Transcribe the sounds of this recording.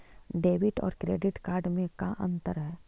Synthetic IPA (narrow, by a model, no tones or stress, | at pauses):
ɖeːʋɪʈɔ̰ːɾkɾeːɖɪʈkaːɾɖmẽkaʔɐ̰̃nt̪əɾɦɛː